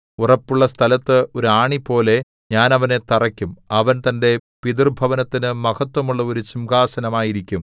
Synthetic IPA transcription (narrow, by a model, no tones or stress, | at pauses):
urɐpːuɭːɐst̪ʰɐlɐt̪ːɨoɾuaːɳipo̞ːle̞ | ɲaːnɐʋɐne̞t̪ɐrɐkʲːumɐʋɐnt̪ɐnde̞piðirbʱɐʋɐnɐt̪ːinɨmɐɣɐt̪ːwɐmuɭːɐo̞ɾut͡ɕimɡaːsɐnɐmaːjiɾikʲːum